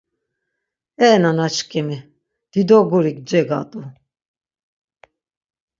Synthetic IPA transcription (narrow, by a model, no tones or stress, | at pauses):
ɛːnanat͡ʃkʼɛmi | d̪̥id̪ɔɡuɾikd͡ʒɛɡa̰t̪ʼu